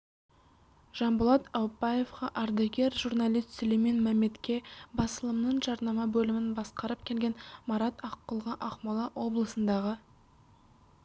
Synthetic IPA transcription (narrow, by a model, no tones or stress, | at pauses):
ʒ̥ɑmbʊlˠɑt̪ɑwpːɑje̞fqɑʔɑɾd̪ɑɡʲe̞ɾʒurnɑlijst̪sɵleme̞nmæmːe̞t̪kʲe̞bɑsəlˠəmnəɴʒɑɾnɑmɑbɵlɪmɪnbɑsqɑɾəp̚kʲʰe̞lɡʲe̞nmɑɾɑt̪ɑqːəlˠʁɑʔɑqmɑlˠɑwʔo̞blˠəsənd̪ɑʁə